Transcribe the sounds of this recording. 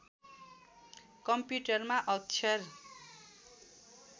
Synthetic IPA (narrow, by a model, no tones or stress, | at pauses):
kʌmpjuʈʌrmaʔʌkt͡ʃʰʌr